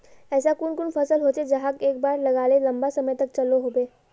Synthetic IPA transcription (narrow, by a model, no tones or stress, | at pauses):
ɛːsakʊnkʊnfʰəsəlɦoːt͡ʃed͡ʒɐɦakeːk̚baːɾlɐɡaːlelɐ̃mbasɐməjt̪ɐk̚t͡ʃɐloɦoːbeː